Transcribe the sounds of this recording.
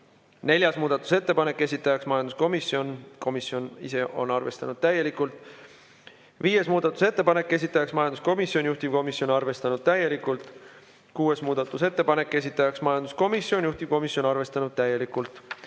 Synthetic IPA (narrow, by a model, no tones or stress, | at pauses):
ne̞lʲjɑsmuːd̪̥ɑt̪ːˑu̥se̞t̪ːe̞pɑne̞kːe̞s̬ʲit̪ːˑɑjɑksmɑjɑnd̪usko̞misjio̞nko̞misjo̞nḭse̞ʔo̞nɑrve̞st̪ɑnud̪̥̚t̪æje̞likˑult̪ˑ | viːje̞smuːd̪̥ɑt̪ːˑu̥se̞t̪ːe̞pɑne̞kːe̞s̬ʲit̪ːˑɑjɑksmɑjɑnd̪u̥sko̞misjonʲjuht̪ib̥̚ko̞misjo̞nɑrve̞st̪ɑnud̪̥̚t̪æje̞likˑult̪ˑ | kuːe̞smuːd̪̥ɑt̪ːˑuse̞t̪ːe̞pɑne̞kːe̞s̬it̪ːˑɑjɑksmɑjɑnd̪̥usko̞misːjo̞njuht̪ib̥̚ko̞misjo̞nɑrve̞st̪ɑnud̪̥̚t̪æjːe̞likːˑult̪ˑ